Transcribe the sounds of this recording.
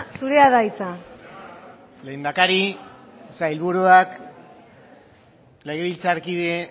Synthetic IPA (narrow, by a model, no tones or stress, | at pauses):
suɾeaðajt͡sa | le̞ːnd̪akaɾi | sajlβuɾuak | leɣeβilt͡saɾkiðe